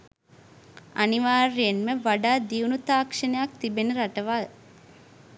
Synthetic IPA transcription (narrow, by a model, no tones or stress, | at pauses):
a̰niʋaːɾijenməʋaɖaːd̪iunut̪aːkʂənəjak̚t̪ibenəɾaʈəʋaː